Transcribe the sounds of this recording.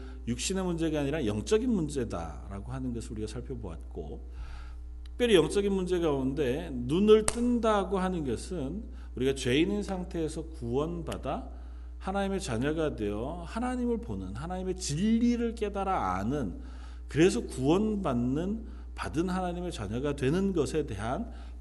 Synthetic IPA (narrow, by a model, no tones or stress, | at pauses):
juk̚ɕ͈ine̞mund͡ʑe̞ɡaaɲiɾajʌŋt͡ɕ͈ʌɡinmund͡ʑe̞da̰ | ɾa̰ɡohanɯnɡʌsʰɯɾuɾiɡasʰaɭpʰjʌboa̰t̚k͈o̰ | k̚p͈jʌɾijʌŋt͡ɕ͈ʌɡinmund͡ʑe̞ɡaounde̞nunɯɭt͈ɯndaɡohanɯnɡʌsʰɯn | uɾiɡat͡ɕwe̞inɯnsʰaŋtʰe̞ːsʰʌkuwʌnbada | hanaɲime̞t͡ɕaɲaɡadwejʌhanaɲimɯɭponɯnɦanaɲime̞t͡ɕiʎːiɾɯɭk͈e̞daɾaa̰nɯn | kɯɾe̞s̬ʰʌkuwʌnbanːɯn | padɯnɦanaɲime̞t͡ɕa̰ɲaɡadwe̞nɯnɡʌsʰe̞de̞ɦan